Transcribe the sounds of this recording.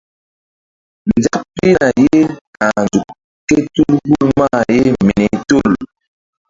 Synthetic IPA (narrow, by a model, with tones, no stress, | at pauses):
nd͡za˦pe˦na˨je˦ka˨nd͡ʒu˨ | ke˦tu˦lbu˦lma˦˨je˦m˨nɛ˨to˦˨l